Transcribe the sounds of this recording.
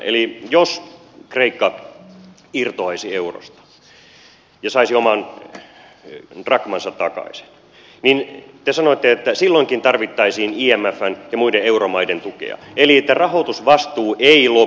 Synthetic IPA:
ʔḛlijos | kreikːɑ | irt̪oɑisieuro̰st̪ɑ̥ | jɑsɑisiomɑn | rɑkmɑnsɑt̪tɑkɑ̰isi̥n | nint̪esɑnot̪ːeet̪ːæsilːoiŋkint̪ɑrʋit̪ːɑisiːniːæmːæfːænjɑmuideeuromɑident̪ukḛɑ̰eliet̪ːærɑhot̪usʋɑst̪uːʔeilo

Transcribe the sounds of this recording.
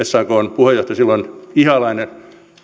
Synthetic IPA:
essɑːkoːnpuhejoht̪ɑsilːonihɑlɑine

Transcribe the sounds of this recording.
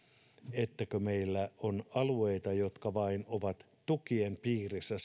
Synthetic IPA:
et̪ːækømeilːæonɑlueit̪ɑjo̞t̪kɑʋɑinoʋɑt̪ | t̪ukiempiːrisːæ

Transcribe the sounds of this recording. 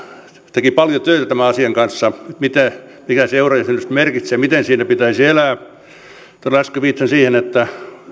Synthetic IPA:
t̪ekipɑljot̪øit̪æt̪æmæɑsiɑŋkɑnsːɑet̪mit̪æ | mikæseurɑjæsenyst̪merkit̪seɑmit̪ensiːnæpit̪æisielæː | t̪olæskøʋiːt̪sensiːhenet̪ːæ

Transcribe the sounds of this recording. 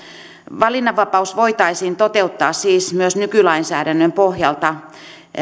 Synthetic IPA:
ʋɑlinːɑʋʋɑpɑusʋoit̪ɑisiːnt̪ot̪eut̪ːɑːssiːsmyøsnykylɑinsæ̰ːɾænːømpohjɑlt̪ɑ

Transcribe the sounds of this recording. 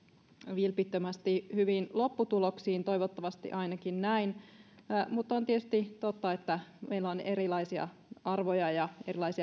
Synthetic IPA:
ʋilpit̪ːømæst̪ihyʋinlo̞pːut̪uloksiːnt̪o̞jʋot̪ːɑʋɑst̪ḭʔɑinɑkinnæin | mut̪ːont̪iet̪y̥st̪it̪ot̪ːɑet̪ːæmeilæoneɾilɑisiɑ̰ | ɑrʋojɑjɑerilɑisiɑ

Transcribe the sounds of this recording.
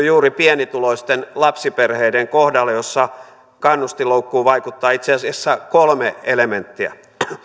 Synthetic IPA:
juːripiɛnit̪uloist̪enlɑpsiperheideŋkohdɑlːejosːɑ | kɑnːust̪iloukːuːʋɑikut̪ːɑːit̪seɑsiæsːækolmeelement̪ːiæ̰

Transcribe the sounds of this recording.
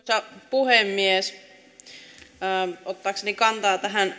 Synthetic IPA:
sɑpuhemːies | ot̪ːɑːksenikɑnt̪ɑːt̪æɦæn

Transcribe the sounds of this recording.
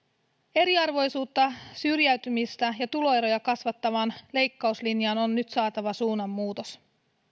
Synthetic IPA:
e̞ɾiɑrʋo̞jsuːt̪ːɑsyrjæɥt̪ymist̪æjɑt̪ulo̞e̞ɾo̞jɑkɑsʋɑt̪ːɑʋɑːnle̞jkːɑuslinjɑːno̞nːyt̪sɑːt̪ɑʋɑsuːnɑmːuːt̪o̞s

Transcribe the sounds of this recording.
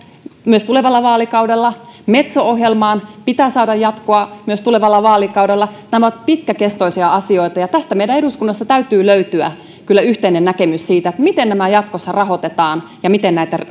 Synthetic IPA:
myøst̪uleʋɑlːɑʋɑːlikɑudelːɑmet̪sooɦjelmɑːnpit̪æːsɑːdɑjjɑt̪koɑmyøst̪uleʋɑlːɑʋɑːlikɑuwdelːɑnæmæot̪pit̪kækest̪oisiɑɑsioit̪ɑjɑt̪æst̪æmeiɾæeɾuskunːɑst̪ɑt̪æyt̪yːløyt̪yæ̰ | kylːæyht̪einennækemyssiːt̪æet̪mit̪ennæmæjɑt̪kosːɑrɑhot̪et̪ɑːnjɑmit̪ennæit̪ær

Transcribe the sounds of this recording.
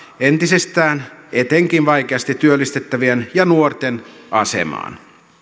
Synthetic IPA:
ent̪isest̪æːnet̪eŋkinʋɑjk̟eɑst̪it̪ːyølːist̪et̪ːæʋienjɑnuort̪enɑsḛmɑ̰ːn

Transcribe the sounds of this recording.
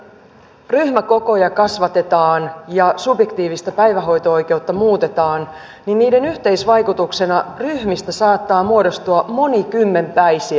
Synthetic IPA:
ryhmæko̞ko̞jɑkɑsʋɑt̪e̞t̪ɑːnjɑsubje̞kt̪iːʋist̪æpæjʋæɦo̞jt̪oo̞jk̟e̞wt̪ːɑmuːt̪e̞t̪ɑːn | ninniːde̞nyht̪e̞jsʋɑjkut̪ukse̞nɑryhmist̪æsɑːt̪ːɑːmuodo̞st̪uɑmo̞nikymːe̞mpæjsiæ

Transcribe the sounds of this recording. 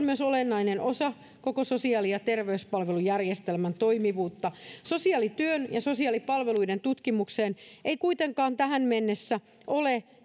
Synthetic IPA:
lmyøsolenːɑinenʔosɑ | kokososiɑːlijɑt̪erʋeyspɑlʋelujærjest̪elmænt̪o̞imiʋuːt̪ːɑsosiɑlit̪yønjɑsosiɑːlipɑlʋeluident̪ut̪kimukseːnʔeijkuit̪eŋkɑːnt̪æɦænmenːesːæ | ʔole

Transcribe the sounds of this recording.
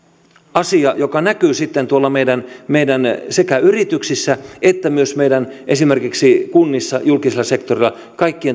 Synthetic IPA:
ɑsiɑjokɑnækyːsit̪ːent̪uolːɑmeidænmeidænsekæyrit̪yksisːæet̪ːæmyøsmeidænʔesimerkiksikunːisːɑjulkiselːˑɑsekt̪orilːɑ | kɑikːien

